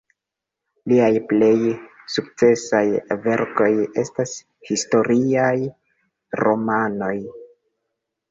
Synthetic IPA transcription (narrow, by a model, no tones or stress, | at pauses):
liajple̞j | suk̚t͡se̞sajve̞ɾko̞je̞stas | histo̞ɾiaj | ɾo̞mano̞j